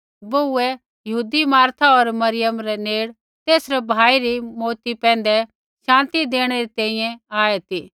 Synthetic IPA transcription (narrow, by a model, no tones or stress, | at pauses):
bouɛ | jɐɦuːd̪imaːɾt̪ʰaɔɾmɐɾɪjəmɾɛneːɽ | t̪eːsɾɛbʱaːiɾimoːt̪ipɛ̃ːnd̪ɛ | ʃãːnt̪id̪eːɽ̃ɛɾit̪ɛ̃ːĩjɛ̃aːet̪iː